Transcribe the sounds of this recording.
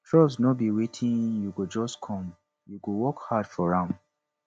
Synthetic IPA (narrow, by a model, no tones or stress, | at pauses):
tʰɹɔbsnɔbiwetʰĩnjuɡud͡ʒɔskʰɔ̃m | juɡuwɔkhadfɔɹãm